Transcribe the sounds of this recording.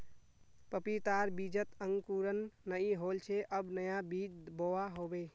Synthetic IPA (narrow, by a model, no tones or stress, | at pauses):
pəpit̪aɾbid͡ʒət̪əŋɡkuɾənːəiɦolt͡ʃʰeʔəbnəjabid͡ʒboaɦobe